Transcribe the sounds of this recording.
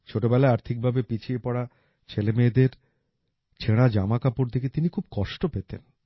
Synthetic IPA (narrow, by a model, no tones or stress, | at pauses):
t͡ɕʰoʈobɛlaeaɾt̪ʰik̚bʱabepit͡ɕʰiepɔɽa | t͡ɕʰelemeːd̪eɾ | t͡ɕʰeɽ̃ad͡ʑamakapuɾd̪ʱiket̪inikʰub̚kɔʃʈopet̪ḛn